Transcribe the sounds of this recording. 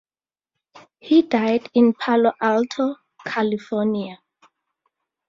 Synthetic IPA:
hidajdĩnpʰalɔʔaltʰɔ | kʰalifɔnia

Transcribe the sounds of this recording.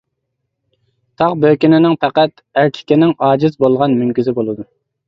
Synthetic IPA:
t̪ʰɑqbøkʲinɪnɪŋpʰɛqæt̪ | æɾt̪ʲʰɪ̥kʲɪnɪŋɑːd͡ʒɪzbolˠʁɑnmyŋkʲyzɪbolˠɨd̪u

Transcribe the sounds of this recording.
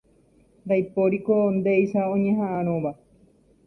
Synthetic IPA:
d̪ajpoɾikond̪eisaõɲẽɦãʔaɾ̃õβa

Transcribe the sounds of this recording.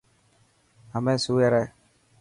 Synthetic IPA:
amɛsujɛɾɛ

